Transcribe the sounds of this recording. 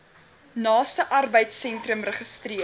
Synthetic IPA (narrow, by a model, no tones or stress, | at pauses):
nɑːstəʔɐrbəjtsɛntrəmrəχəstri